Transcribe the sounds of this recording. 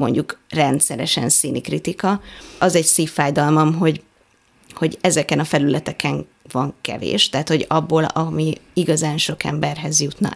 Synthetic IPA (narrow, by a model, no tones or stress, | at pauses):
mo̞̰ɲɟukrɛnt̪sɛɾɛʃɛ̰nsiːnikrit̪ikɒɒzɛɟsiːfːaːjd̪ɒlmɒmɦo̞ɟ | ho̞ɟɛzɛkɛnɒfɛlylɛt̪ɛkɛŋ | vɒŋkɛ̰vḛːʃt̪ɛɦat̪ho̞ɟɒbːoːlɒmiiɡɒzaːnʃo̞kɛ̰mbɛrɦɛzjut̪nɒ̰